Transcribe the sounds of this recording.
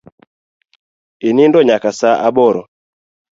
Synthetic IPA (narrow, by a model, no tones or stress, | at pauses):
inindɔɲakasaʔaɓɔɾɔ